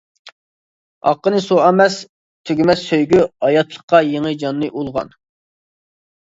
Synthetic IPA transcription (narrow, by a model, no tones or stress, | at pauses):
ɑ̰qːənɨsoɑmɛs | t̪ʰøɡʲmɛsøjɡʲyɑjɑt̪ʰlˠəχqːɑjeŋɨjd͡ʒɑnːɨʔulˠʁɑ̰n